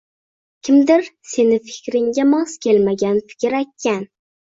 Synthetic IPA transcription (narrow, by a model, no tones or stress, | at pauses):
kʲʰɪmd̪ɪɾse̞nɪfɪ̥kʲɾɪŋɡʲamɒskʲʰe̞lmaɡʲanfɪ̥kʲɪɾakʲʰːan